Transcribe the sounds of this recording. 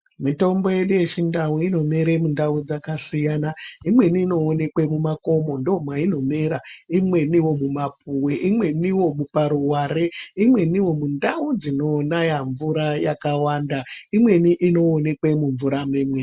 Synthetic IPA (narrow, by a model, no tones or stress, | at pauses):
mito̞mbo̞je̞ɗuje̞t͡ʃindawuino̞meɾemundaud͡zakasijanaimwe̞niːno̞ːne̞kwe̞mumako̞mo̞ndomwaino̞me̞ɾaimwe̞niwo̞mumapuweʔimwe̞niwo̞mupaɾuwaɾeimwe̞niwo̞mundaud͡zino̞najaɱvuɾajakawandaimwe̞niʔino̞ːne̞kwe̞muɱvuɾameːmwe